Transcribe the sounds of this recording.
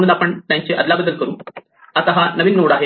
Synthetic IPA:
nːunɐpːɐɳnɐɲt͡ɕɨʔɐd̪laːbɐd̪ɐlkɐɾum | ɐt̪ɐɦɐnɐbinːuːɽaːɦe

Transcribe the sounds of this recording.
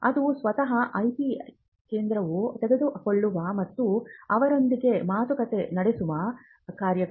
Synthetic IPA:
ɐd̪usʋɐt̪ɐɦɐʔɐjpi | keːnd̪ɾɐʋut̪ɛɡe̞d̪ukoɭːuʋɐmɐt̪ːuɐʋɐɾo̞nd̪iɡe̞maːt̪ukɐt̪enɐɽesuʋɐ | kaːɾjɐɡ

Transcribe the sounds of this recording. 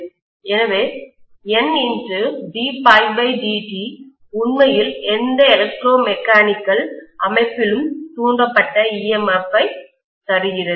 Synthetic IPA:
ɛnɐʋeː | ɛnːɪndrɯɖiːpɐɪʋɐɪɖiːʈi | ʊɳmɐjɪlɛnd̪ɐɛlɐk̚ʈɾoːmɛkːaːnɪkːɐɭʔɐmɐɪpːɪlɯmt̪uːɳdɐpːɐʈːɐiːɛmɛfːɐɪ | t̪ɐɾɪjɪɾɐ

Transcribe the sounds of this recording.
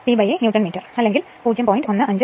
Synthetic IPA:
siːbɐjenjuːʈːɐnmiːʈːɐrɐlːe̞ŋɡil | puːd͡ʑjɐmpojinɖo̞nːɨʔɐɲd͡ʑɨ

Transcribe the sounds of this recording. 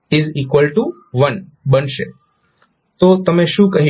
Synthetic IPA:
ɪzikʋəlʈu | ʋənbənʃe | t̪ot̪əmeʃũkəɦi

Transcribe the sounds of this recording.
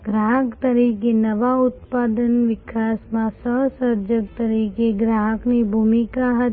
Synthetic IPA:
ɡɾaːɦəkt̪ɐɾiːkenɐʋaʊt̪̚paːd̪ənʋɪkʰaːsmãsəɦsəɾd͡ʒək̚t̪ɐɾiːkeɡɾaːɦəkʰnebʱuːmikaɦət̪

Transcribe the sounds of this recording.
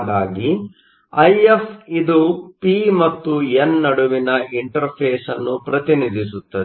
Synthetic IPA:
ɡ̪aːɡi | ɐjepʰid̪upimɐt̪ːuenːɐɽuʋinɐiɳʈɐɾpʰeːsɐnːupɾɐt̪inid̪isut̪ːɐd̪

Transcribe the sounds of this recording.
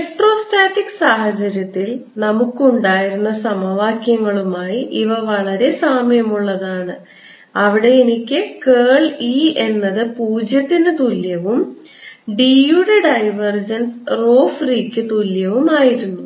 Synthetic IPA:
eʈro̞ːstaːtːikːɨ̥sahɐt͡ɕɐɾjɐt̪ːil | nɐmukːuɳɖaːjiɾunːɐsɐmɐʋaːkjɐŋːɐɭumaːjiʔiʋɐʋɐɭɐɾe̞saːmjɐmuɭːɐðaːɳɨ | ɐʋiɽe̞enikʲːɨkeːɭie̞nːɐðɨpuːd͡ʑjɐt̪ːinɨt̪uljɐʋum | ɖijuːɽeɖɐjʋɐrd͡ʑɐnsro̞ːfriːkʲːɨt̪uljɐʋumaːjiɾunːu

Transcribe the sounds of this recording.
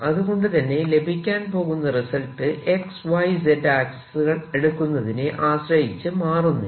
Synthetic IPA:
ɐðuɣo̞ɳɖɨt̪ɐnːe̞le̞bʱikʲːaːnpo̞ːɣunːɐrisɐlʈːɨʔe̞ksʋɐjsedaːkssuɣɐɭeɽukːunːɐðineʔaːɕrɐjit͡ɕːɨmaːrunːṵ

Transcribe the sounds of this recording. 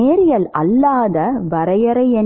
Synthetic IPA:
eːɾɪjɐlɐ̰lːaːðɐʋɐɾɐjɐɾɐɪɛ

